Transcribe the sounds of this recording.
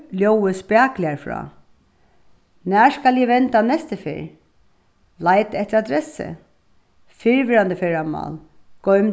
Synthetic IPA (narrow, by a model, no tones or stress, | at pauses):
ljɔːwəspjaːklɪaɹfɹɔ̰ː | næːɹskaljɛʋɛnt̪anɛst̪əfɪ̰ːɹ | lajt̪ɛht̪ɪɾad̪ɾɛsɪ̰ | fɪɹʋɪɾand̪əfɛːɹamɑ̰ːl | ɡ̥ɔɥm